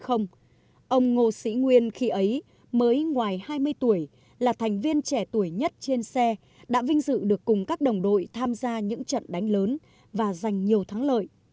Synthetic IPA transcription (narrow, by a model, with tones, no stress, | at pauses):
xə˧wŋ͡m | ʔə˧wŋ͡mŋo˧sḭ˧˥ŋwi˧ənxi˧ʔə˨˦j | məː˨˦jŋwaː˨˩jhaː˧jmɨ˧əjt̪u˧˩əj | laː˨˩t̪ʰɛ˨˩jŋ̟vi˧ənt͡ɕɛ˧˩t̪u˧˩əjɲə˦˥t̚t͡ɕe˧nsɛ˧ | ɗa̰ː˧˥vï˧ŋ̟zɨ̰˧˨ɗɨ˨˩əkːʊ˨˩ŋ͡mkaː˦˥k̚ɗə˨˩wŋ͡mɗo̰˧˨jt̪ʰaː˧mzaː˧ɲɨ̰˧˥ŋt͡ɕə̰˧˨nɗa˨˦jŋ̟ləː˨˦n | vaː˨˩za˨˩jŋ̟ɲi˨˩əwt̪ʰaː˨˦ŋlə̰ː˧˨j